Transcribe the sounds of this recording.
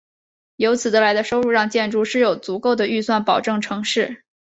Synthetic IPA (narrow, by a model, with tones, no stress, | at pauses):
jo˧˥ʊt͡sʰɹ̩˨˩d̪ə˦˧la˧˥ɪd̪ə˧ʂo˥ʊɻu˥˧ɻɑ˥˧ŋt͡ɕjɛ˥˧nʈ͡ʂu˥˧ʂɻ̩˥˩jo˨˩ʊt͡su˧˥ko˥˩ʊd̪ə˩y˥˧swa˥˩npɑ˨˩ʊʈ͡ʂɤ˥˩ŋʈ͡ʂʰɤ˧˥ŋʂɻ̩˥˩